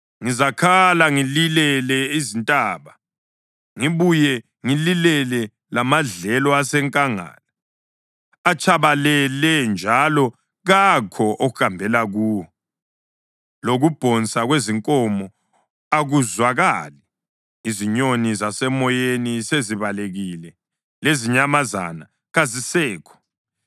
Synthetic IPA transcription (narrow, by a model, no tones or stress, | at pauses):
ŋizakʰalaŋililɛlɛizintʼaːβa | ŋiβujɛ | ŋililɛlɛ | lamaɮɛlɔasɛŋkʼaŋa̰ːla | at͡ʃʼʰaβalɛlɛnd͡ʒʱalɔ | ɣakʰɔʔoɣuxambʱɛlaɣuːwɔ | loɣub̥ʱɔnt͡sʼaɣweziŋkʼɔmɔ | aɣuzwaɣali | iziɲonizasɛmɔjeniseziβaleɣilɛ | leziɲamaza̰na | ɣazisɛːkʰɔ̥